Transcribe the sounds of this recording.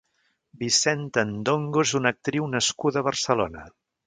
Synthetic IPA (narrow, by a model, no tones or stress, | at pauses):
bisɛnt̪ənd̪oŋɡozunək̚t̪ɾiwnəskuðəβərsəlonə